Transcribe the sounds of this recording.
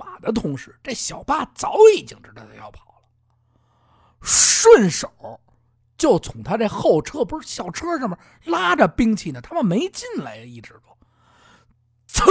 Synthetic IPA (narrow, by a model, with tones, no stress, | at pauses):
ma˨˩d̪ə˦t̪ʰʊ˧˥ŋʂɻ̩˧˩ʈ͡ʂe˥˩ɪɕjɑ˨˩ʊpa˥˩t͡sɑ˧˥ʊi˨˩t͡ɕi˧˥ŋʈ͡ʂɻ̩˧˥də˨˩t̪ʰjɑ˥˩ʊpʰɑ̥˨˩ʊlə˦ | ʂwə˥˩nʂo˨˩˦ʊ | t͡ɕjo˥˩ʊt͡sʰʊ˧˥ŋt̪ʰa˥ʈ͡ʂe˥˧ɪxo˥˩ʊʈ͡ʂʰɤ˥pu˧˥ʂɻ̩˥˩ɕjɑ˨˩ʊʈ͡ʂʰɤ˥ʂə˥˩mə˨˩ | la˥ʈ͡ʂə˨pi˥ŋt͡ɕʰi˥˩nə˩t̪ʰa˥mə˨nme˧˥ɪt͡ɕi˥˩nla˧˥ɪi˥˩ʈ͡ʂɻ̩˧˥kɔ˥˩ | t͡sʰə˧˥